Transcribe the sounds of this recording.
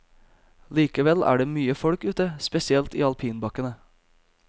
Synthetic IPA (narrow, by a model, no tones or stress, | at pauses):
liːkəʋɛlʔæ̰ːɖeːmyːəfɔɽkʉːt̪əspɛsɪɛlt̪ḭːɑlpʰiːnbɑkənə